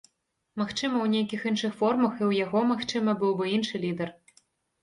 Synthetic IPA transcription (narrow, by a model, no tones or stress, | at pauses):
maxt͡ʂɨmɐwnʲejkʲixinʂɨxfɔrmɐxiwjaɣɔmaxt͡ʂɨmɐbɨwbɨinʂɨlʲid̪ɛr